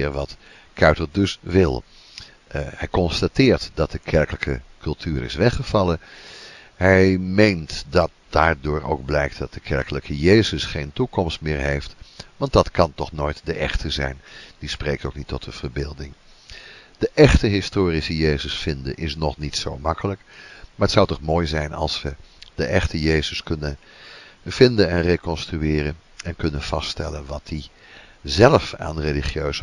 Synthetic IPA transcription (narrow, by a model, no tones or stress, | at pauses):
ɪʋɑt | kʰœɥtəɹdɵsʋɪlˠ | hɛjkɔnstatɪːɹtdɑt̚dəkʰɛɹkələkəkʰɵlˠtʰyːɾɪ̰sʋɛχəv̥ɑlə | ɦɛjmejntdɑt̚d̥aːɹdʊːɹo̰wɡ̚blɛjk̚td̥ɑt̚d̥əkʰɛɹkələkʰəjejzəsχejntukɔmstmɪːɹɦejftʋɑnt̚dɑtkɑntɔχnoːjtdəʔɛχtʰəzɛ̰jnd̥ispreːk̚towknitʰɔtəv̥ərbɪːlˠdɪŋ | d̥əʔɛxtəɦɪstoːrisəjejzəsfɪndəʔɪsnɔχnitsowmɑkələkmaːɹətsawtɔχmoːjzɛjnɑ̰lˠsʋəd̥əʔɛxtəjeːzəskɵnən | v̥ɪndənɛnrekɔnstryɪːrən | ɛnkɵnənv̥ɑststɛlənʋɑt̚di | zɛləfa̰ːnreliχjøːs